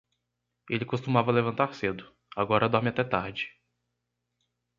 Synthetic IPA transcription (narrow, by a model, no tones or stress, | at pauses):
elɪkost̪umavɐlevɐ̃nt̪aɾsed̪ʊ | aɡɔɾɐd̪ɔɾmɪat̪ɛt̪aɾd͡ʒɪ̥